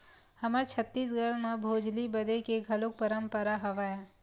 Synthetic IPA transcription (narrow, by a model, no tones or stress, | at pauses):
hɐmət͡ʃʰɐt̪ːiːs̬ɡəɽmẽbʱoːd͡ʒlibɐd̪ekeɡʱɐlok̚pəɾə̃mpəɾaɦɐʋaːjaː